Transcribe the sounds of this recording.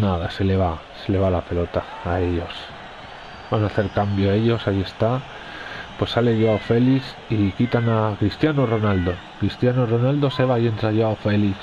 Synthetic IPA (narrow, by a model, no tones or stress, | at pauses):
naðase̞le̞βa | se̞le̞βalape̞lo̞t̪aːe̞ʎo̞s | banaθe̞ɾkambjoe̞ʎo̞saie̞st̪a | pwe̞sːale̞ʝoaofe̞liθ | ikit̪anakɾist̪janoro̞nald̪o̞ | kɾist̪janoro̞nald̪o̞se̞βaje̞nsaʝoaofe̞li